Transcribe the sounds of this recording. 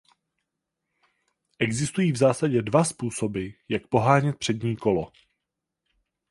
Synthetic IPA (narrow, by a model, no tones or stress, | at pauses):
ʔɛɡzɪst̪ujiːvzaːsaɟɛdvaspuːso̞bɪjak̚po̞ɦaːɲɛt̪̚pr̝̥ɛdɲiːko̞lo